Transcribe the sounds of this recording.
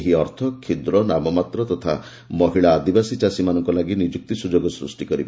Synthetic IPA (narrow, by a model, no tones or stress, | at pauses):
ɦiɔɾt̪ʰɔkʰːid̪ɾɔnamɔmat̪ɾɔt̪ɔt̪ʰa̰ | mɔɦiɭaːd̪ibasit͡ʃasimanɔŋkɔlaɡinid͡ʒuk̚t̪isud͡ʒoɡɔsɾṵsʈikɔɾibɔ